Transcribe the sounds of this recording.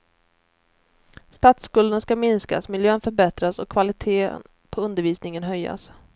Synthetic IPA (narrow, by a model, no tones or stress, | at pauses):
st̪at̪skɵld̪ənskamɪnska̰smɪljøːnfœɾbɛt̪ɾasɔkʰːvalɪt̪ʰeːə̰n | pʰɔɵnd̪əɾviːsnɪŋənɦœjːa̰s